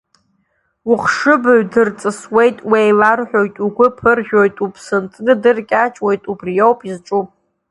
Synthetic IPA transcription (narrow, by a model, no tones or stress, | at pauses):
wʊχʂɨbaɥdɨrt͡sʼɨswe̞jtʼwejlarħᶣo̞jtʼuɡʷʊpʰɨrʒʲᶣo̞jtʼupʰsɨntʰʼnɨdɨrkʲʼat͡ʃʼwo̞jtʼubrijowpʼizʈ͡ʂʼupʼ